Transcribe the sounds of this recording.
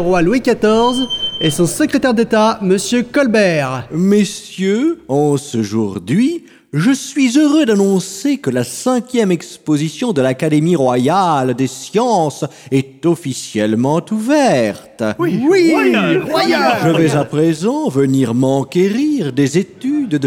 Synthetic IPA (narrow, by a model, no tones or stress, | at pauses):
ʁwalwikat̪ɔʁzɛsɔ̃səkχet̪ɛʁd̪et̪aməsjøkɔlbɛːʁmesjøɑ̃səʒuʁd̪ɥi | ʒəsɥizøʁød̪anɔ̃sekəlasɛ̃kʲjɛmɛkspozisjɔ̃d̪əlakad̪emiʁwajald̪esjɑ̃sɛt̪ɔfisjɛlmɑ̃t̪uvɛʁt̪ | wʒəvɛzapχezɑ̃vəniʁmɑ̃kʲeʁiʁd̪ezet̪yd̪